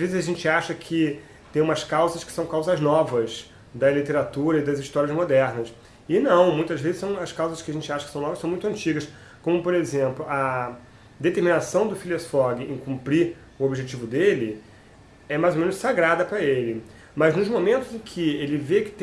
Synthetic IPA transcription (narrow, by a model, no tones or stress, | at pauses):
azvezɪzaʒẽnt͡ʃɪaʃɐkʰɪ | t̪ẽj̃ũmɐskawzɐskɪ̥sɐ̃w̃kawzɐznɔvɐz | d̪ɐlit̪eɾat̪uɾɐɪd̪ɐziʃt̪ɔɾiɐzmod̪ɛɾnɐs | ɪnɐ̃w̃mũj̃t̪ɐzvezɪsɐ̃w̃ɐskawzɐskɪaʒẽnt͡ʃɪaʃɐkɪ̥sɐ̃w̃nɔvɐsɐ̃w̃mũt̪ɐ̃nt͡ʃiɡɐs | kõmʊpoɾezẽmplʊɐ | d̪et̪eɾminasɐ̃w̃d̪ʊfiliɐsfɔɡɪẽj̃kũmpɾiɾ | ʊobiʒet͡ʃivʊd̪elɪ | ɛmajzomẽnʊssaɡɾad̪ɐpɾɐelɪ | mɐznʊzmomẽnt̪ʊzẽkʰɪelɪvekɪ̥t̪